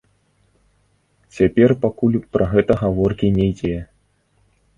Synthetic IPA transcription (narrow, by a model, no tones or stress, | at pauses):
t͡sʲapʲɛrpakulʲpɾɐɣɛt̪ɐɣavɔrkʲinʲɛjd͡zʲɛ